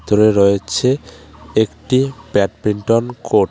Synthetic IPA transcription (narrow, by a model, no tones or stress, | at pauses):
t̪oɾeɾoet͡ɕʰeekʈipɛʈ̚piɳʈonkoʈ